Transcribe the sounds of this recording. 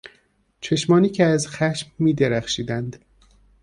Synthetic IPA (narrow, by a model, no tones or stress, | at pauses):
t͡ʃʰe̞ʃmɒːniːcʰeæzxæʃmːiːd̪eɾæxʃiːd̪ænd̪